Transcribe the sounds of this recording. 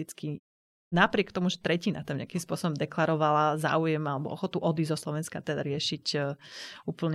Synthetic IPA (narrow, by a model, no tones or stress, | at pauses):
it͡ski | napɾɪɛkt̪ɔmuʒɛt̪ɾɛcinat̪amɲɛ̰akimspʊɔsɔbɔmd̪ɛklaɾɔʋalaza̰ːujɛmalɛbɔ̰ʔɔxɔt̪uʔɔd̪izɔslɔʋɛnskat̪ɛd̪aɾɪɛʃicː | uːpl̩ɲ